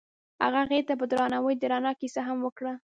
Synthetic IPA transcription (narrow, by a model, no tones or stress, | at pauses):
ha̰ɣaɣet̪ap̬əd̪ɾɑnawəjd̪əɾɑnɑkisaɦamwəkɽa